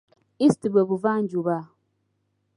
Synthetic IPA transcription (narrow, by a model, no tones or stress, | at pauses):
istibəbuvan̩d͡ʒuba